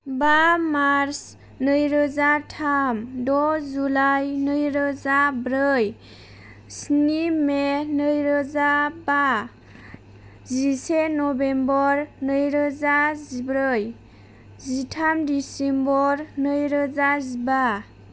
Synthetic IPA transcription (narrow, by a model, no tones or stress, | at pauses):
bamaɾs | nəjɾəzatʰamdɔzulajnɯjɾəzabɾɯj | snimenəjɾəzaba | zisenɔbembɔɾnəjɾəzazibɾɯj | zitʰamdisembɔɾnəjɾəzaziba